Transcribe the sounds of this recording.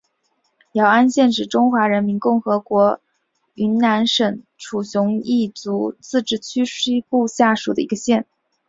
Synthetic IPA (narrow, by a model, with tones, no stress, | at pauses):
jɑ˧˩ʊa˥nɕjɛ˥˩nʂɻ̩˨˩ʈ͡ʂʊ˥ŋxwa˧˥ɻə˧˥nmi˧˥nkʊ˥˩ŋxɤ˧˥kwɔ˧˥ | y˧˥nna˧˥nʂə˨˩ŋ | ʈ͡ʂʰu˨˩ɕjʊ˧˥ŋi˥˩t͡su˧˥t͡sɹ̩˥˧ʈ͡ʂɻ̩˥˩t͡ɕʰy˥ʂi˥pu˥˧ɕja˥˩ʂu˨˩d̪ə̰˦i˧˥ɡə˧ɕjɛ˥˩n